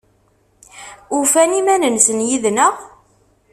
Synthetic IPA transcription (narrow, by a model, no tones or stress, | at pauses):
ʊfænimænənsənjiðnəʁ